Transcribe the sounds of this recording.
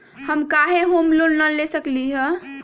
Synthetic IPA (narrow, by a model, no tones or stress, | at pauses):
həmkaɦeɦomlonnəlesəkliɦə̃